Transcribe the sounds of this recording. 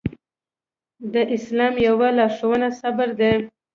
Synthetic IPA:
d̪əʔɪslɑmjawalɑɾʂowənasabəɾd̪e

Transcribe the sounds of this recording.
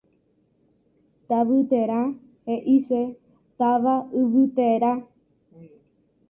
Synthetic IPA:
t̪aʋɨt̪eɾã | heʔise | t̪aʋaɨʋɨt̪eɾa

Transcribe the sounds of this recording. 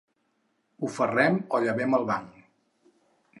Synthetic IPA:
ufərɛmɔʎəβɛməlˠβaŋ

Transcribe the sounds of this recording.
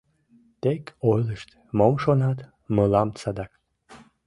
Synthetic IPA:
t̪ekojlˠɨʃt̪ | momʃonat̪ | məlˠɑmsad̪ak

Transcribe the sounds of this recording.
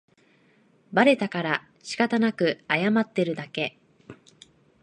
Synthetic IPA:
baɾe̞t̪akaɾa | ɕi̥kat̪anakɯ̟ajamat̪ːe̞ɾɯ̟d̪ake̞

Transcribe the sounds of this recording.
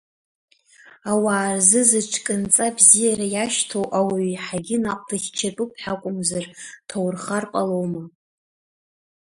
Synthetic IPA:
awaːrzɨzɨʈ͡ʂʰkʼɨnt͡sʼabzijaɾajaʃtʰowʔawiħaɡʲɪnaqʼdaχʲt͡ʃʰatʼupʰħakʷʼʊmzartʰowrχarpʼalowma

